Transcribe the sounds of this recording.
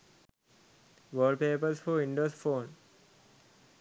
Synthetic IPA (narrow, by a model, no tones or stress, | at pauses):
ʋəːɖpeːpəɾsfɔːĩɳɖoːsfoːn